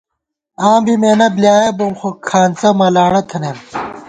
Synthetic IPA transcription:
aːmbimeːnɐblʲjaːjɐbomxokʰaːnt͡sɐmɐlaːɽɐt̪ʰɐnem

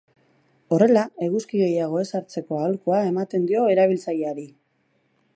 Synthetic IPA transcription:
o̞re̞lae̞ɣuskiɣe̞jaɣ̞o̞e̞saɾt͡se̞ko̞aolkoae̞mat̪e̞nd̪io̞e̞ɾaβ̞ilt͡sajeaɾi

